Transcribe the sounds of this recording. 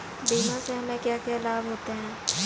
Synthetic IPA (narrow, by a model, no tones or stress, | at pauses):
biːmãseɦɐmẽkjaːkjaːlaːbɦoːt̪eɦɛ̃ː